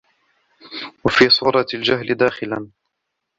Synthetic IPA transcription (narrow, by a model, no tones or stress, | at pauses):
wafiːsˤuːɾˤɑld͡ʒaɦlɪd̪aːxɪlan